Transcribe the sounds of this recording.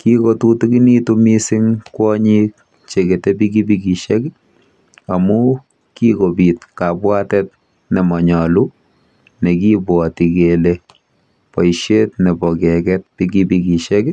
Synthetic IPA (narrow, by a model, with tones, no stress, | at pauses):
kiko˨tutuki˦ni˦tumi˦si˦ŋkwɔ˦ɲi˦k̚ | t͡ʃeke˨te˦bi˦k̬i˦biki˨ʃɛk | amu | kikobit̚ka˨pwa˦tɛt̚ | nɛ˨mɔ˨ɲɔ˨lu˦ | ne˨ki˦bwɔ˨ti˨kele | pɔ˨ʃe˦tne˨bɔ˨kɛ˨kɛt̚pikibiki˨ʃɛk